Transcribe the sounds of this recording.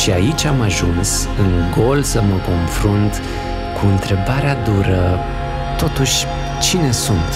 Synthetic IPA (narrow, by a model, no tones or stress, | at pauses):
ʃiait͡ʃʲamaʒuns | ɨŋɡo̞lsəməko̞nfɾunt̪ | kʰuɨnt̪ɾe̞baɾead̪uɾə | t̪o̞t̪uʃʲ | t͡ʃine̞sunt̪